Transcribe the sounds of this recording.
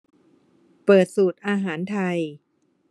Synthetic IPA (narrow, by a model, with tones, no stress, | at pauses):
pɤː˨˩t̪̚suː˨˩t̪̚ʔaː˧ɦaː˩˦nt̪ʰa˧j